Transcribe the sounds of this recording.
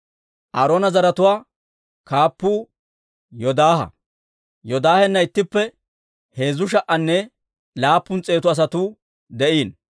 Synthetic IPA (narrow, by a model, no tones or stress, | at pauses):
ʔɐɾoːnɐzɐɾɐt̪ʊwaː | kaːpːuː | jɔd̪aːhɐ̰ | jɔd̪aːhɛnːɐɪt̪ːɪpːɛ | he̞ːzʊʃ̬ɐʔːɐnːɛ | laːpːʊnt͡sʼe̞ːt̪ʊɐs̬ɐt̪uː | d̪ɛʔiːn